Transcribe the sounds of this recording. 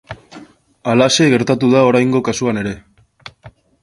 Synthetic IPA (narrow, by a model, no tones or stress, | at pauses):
alase̞ɣe̞ɾt̪at̪uðao̞ɾajŋɡo̞kasuane̞ɾe̞